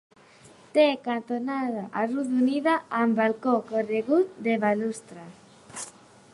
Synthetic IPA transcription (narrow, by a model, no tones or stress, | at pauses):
t̪ekant̪onaðaʔaruðuniðaambalkokoreɣut̪d̪eβalust̪ɾa